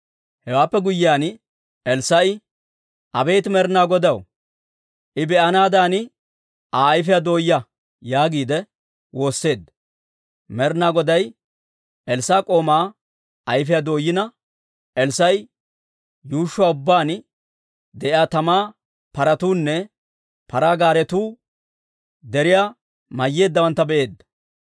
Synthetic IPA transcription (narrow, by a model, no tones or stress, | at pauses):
hɛwaːpːɛɡʊjːɪaːn | ɛlsɐj | ʔɐbeːt̪mɛɾnaːɡɔd̪ɐw | ʔɪbɛʔɐnaːd̪aːnɪ | ʔaːjf̬ɪjɐd̪o̞ːjɐ | jaːɡiːd̪ɛ | wo̞ːsːe̞ːd̪ | mɛɾnaːɡɔd̪ɐj | ɛlsaːkʼo̞ːmaː | ɐjfɛjad̪o̞ːjːɪnɐ | ʔɛlsɐj | juːʃːʊwaːʊbːaːn | d̪ɛʔɪaːt̪ɐmaː | pɐɾɐt̪uːnːɛ | pɐɾaːɡaːɾɛt̪uː | d̪ɛɾɪjaː | mɐjːe̞ːd̪ːɐwɐnt̪ːɐbɛʔe̞ːd̪ːɐ̥